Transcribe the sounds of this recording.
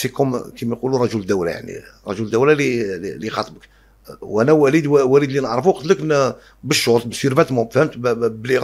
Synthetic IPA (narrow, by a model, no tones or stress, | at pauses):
sikʊmkimjqulurˤɑʒuld̪æwla̰ja̰ʕnḭɾˤɑʒuld̪æwlalilixɑt̪ˤbək | wʔænæwælid̪wæwælid̪linəʕɾˤəfuwqt̪ləkn | bəʃːoɾt̪bəswiɾbæt̪mʊfhəmt̪bəliɣ